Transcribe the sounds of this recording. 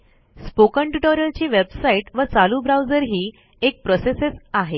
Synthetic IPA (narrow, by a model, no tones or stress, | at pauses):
spokə̃ɳʈiʈɔɾjəlt͡ɕiːʋebsaiʈʋət͡salubɾawd͡zəɾɦiː | ek̚pɾɔsesesaɦe